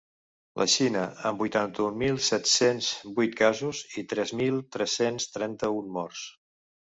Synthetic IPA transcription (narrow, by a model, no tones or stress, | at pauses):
lʔə̰ʃinəəmbujt̪ant̪əummːilˠsɛt̪senzbujt̪̚kazuzit̪ɾɛzmilˠt̪ɾɛsenst̪ɾɛnt̪əunmɔrs